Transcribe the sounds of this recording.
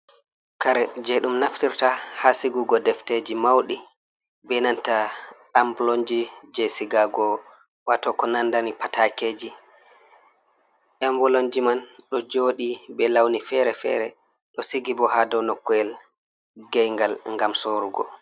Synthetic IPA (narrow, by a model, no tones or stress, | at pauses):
kaɾɛd͡ʒeɗumnaftiɾtahasiɡuɡɔdɛfted͡ʒimawɗi | bɛnanta | ambɔlond͡ʒid͡ʒɛsiɡaɡɔ | watɔkɔnandanipatʰakeːd͡ʒi | ʔɛmbɔloɲd͡ʒimanɗɔd͡ʒoːɗibɛlawnifɛɾɛfɛ̰ɾɛ | ɗɔsiɡibɔhadɔnɔkːɔɛl | ɡɛjŋɡalŋɡamsoɾuɡɔ̰